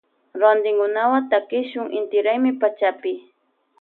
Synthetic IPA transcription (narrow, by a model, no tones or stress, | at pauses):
ɾand̪ɪŋkʊnawat̪akɪʃʊŋɪnt̪ɪɾajmɪpat͡ʃapɪ